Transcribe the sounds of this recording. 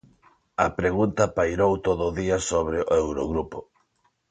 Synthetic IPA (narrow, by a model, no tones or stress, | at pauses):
ɐpɾeɣunt̪ɐpajɾowt̪oðʊðiɐsoβ̞ɾɪʔoewɾoɣɾupo